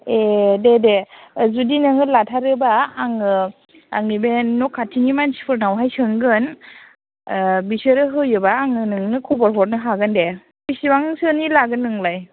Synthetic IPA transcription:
ededezudinɯŋɯlatʰaɾɯbaːŋɯ | aŋnibenɔkʰːatʰinimansi̥pʰɯɾnawɦajsɯŋɡɯn | bisɯɾɯɦɯjɯbaːŋɯnɯŋnɯkʰɔbɔɾɦɔɾ̚nɯɦaɡɯnde | bisibaŋsɯnilaɡɯnɯŋlaj

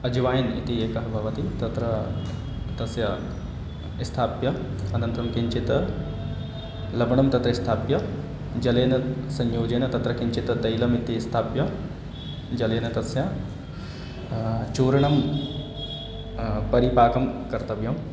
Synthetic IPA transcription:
ɐd͡ʒɐʋaːjɐnḭt̪ieːkɐɦɐbʱɐʋɐt̪it̪ɐt̪ɾɐ | t̪ɐsjɐ | ist̪ʰaːpjɐ | ɐnɐnt̪ɾɐmkiɲt͡ʃit̪ɐ | lɐbɐɳɐmt̪ɐt̪ɾɐist̪ʰaːpjɐ | d͡ʒɐleːnɐsɐɲjoːd͡ʒɐːnɐt̪ɐt̪ɾɐkiɲt͡ʃit̪ɐd̪ɐjlɐmit̪ist̪ʰaːpjɐ | d͡ʒɐleːnɐt̪ɐsjɐ | t͡ʃoːɾɐɳɐm | pɐɾipaːkɐmkɐɾt̪ɐʋjɐm

